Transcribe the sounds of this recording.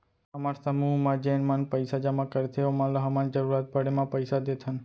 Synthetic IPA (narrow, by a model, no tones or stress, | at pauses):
əmaɾsəmuɦmãd͡ʒenmanpəjsad͡ʒamãkəɾt̪ʰeomãləɦəmand͡ʒəɾuɾat̪̚bəɽemãpəjsad̪et̪ʰən